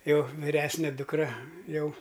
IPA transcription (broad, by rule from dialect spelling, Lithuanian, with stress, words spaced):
ˈjɛʊ ʋʲɪˈrʲæːsʲnʲɛ dʊkˈrɐ ˈjɛʊ